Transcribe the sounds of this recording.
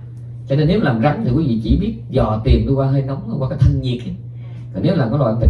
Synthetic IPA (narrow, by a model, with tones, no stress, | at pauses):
t͡ɕɔ˧ne˧nːe˨˦wlaː˨˩mza˨˦ŋt̪ʰi˨˩kwi˨˦vḭ˧˨t͡ɕi˧˩ɓi˦˥ət̚zɔ˨˩t̪i˨˩əmɗu˧waː˧ɦə˧jna˨˦wŋ͡mn˧˦waː˧kaː˨˦jt̪ʰə˧ŋɲi˨˩ək̚ʔa˨˦ | kɔ˨˩ne˨˦wlaː˨˩mkɔ˨˦lwa̰˧˨˧